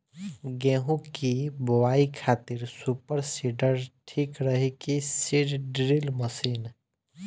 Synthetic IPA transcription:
ɡɛ̃ːɦũkibowaːikʰaːt̪ɪɾsuːpəɾsiɖəɾʈʰiːkɾəɦekisiɖɖɾilməsiːn

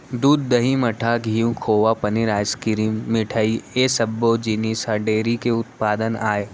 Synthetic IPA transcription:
d̪uːd̪ːɐɦimɐʈʰaɡʱijũkʰoːʋapɐniɾaːskɪɾimmɪʈʰəieːsɐbːod͡ʒinisɐɾɖeːɾikeʊt̪̚paːd̪ənaːe

